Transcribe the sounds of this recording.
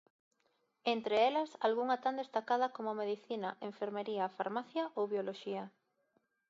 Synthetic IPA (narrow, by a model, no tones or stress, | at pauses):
ent̪ɾeelɐsa̰lɣuŋɐt̪and̪est̪akað̞ɐkomʊmeðiθinɐʔeɱfeɾmeɾiɐfaɾmaθjɐʔowβjoloʃiɐ